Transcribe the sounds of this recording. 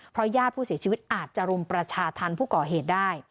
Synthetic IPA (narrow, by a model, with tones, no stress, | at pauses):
pʰɾɔ˦˥jaː˥˩t̪̚ʰuː˥˩si˩˦t͡ɕʰiː˧wi˦˥t̪̚ʔaː˨˩t̪̚t͡ɕa˨ɾo˧mpɾa˧t͡ɕʰaː˧t̪ʰa˧npʰuː˥˩kɔː˨˩ɦeː˨˩t̪̚daː˥˩j